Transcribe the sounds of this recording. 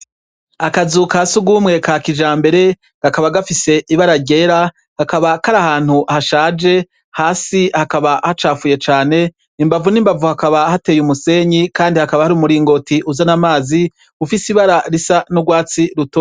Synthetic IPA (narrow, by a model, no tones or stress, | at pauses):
akazukasuɡuːmŋe̞kakid͡ʒaːmbe̞ɾe̞ | ɡ̥akaβaɡafise̞ʔiβaɾaɾɟe̞ːɾa | hakaβakaɾahaːn̥huhaʃaːd͡ʒe̞ | haːsihakaβahat͡ʃaːfuje̞t͡ʃaːne̞ | imbavunimbavuhakaβahate̞ːjumuse̞ːɲikaːndihakaβahaɾuːmuɾiːŋɡo̞tiʔuzanamaːzi | ufisiβaɾaɾisanuɡwaːt͡siɾuto